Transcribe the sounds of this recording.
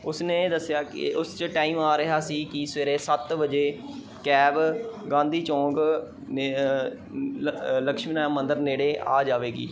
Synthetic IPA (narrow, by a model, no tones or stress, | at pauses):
ʊsnẽːd̪əsjaːkɪ̰ʊst͡ʃʈaːiːmaːɾəɦaːsiːkiːseːɾeːsət̪ʋəd͡ʒeː | kɛːbɡãːnd̪iːt͡ʃɔ̃ːɡ | ləkʃmiːãmə̃nd̪əɾneːɽeːʔa̰ːd͡ʒaːʋeːɡḭː